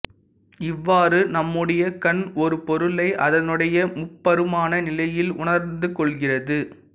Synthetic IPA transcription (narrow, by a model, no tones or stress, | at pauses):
ɪʋːaːrɯnɐmːɯɽɐjɐkɐnɔɾɯpɔɾɯlɐɪʔɐðɐnɯɽɐjɐmʊpːɐɾɯmaːnɐnɪlɐjɪlʊɳɐɾnd̪ɯkɔɭɣɪrɐðɯ